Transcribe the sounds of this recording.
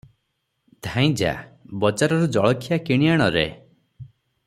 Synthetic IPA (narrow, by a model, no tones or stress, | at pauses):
d̪ʱãj̃d͡ʒa̰bɔd͡ʒaɾɔɾud͡ʒɔɭɔkʰijakiɽ̃ijaɽ̃ɔɾḛ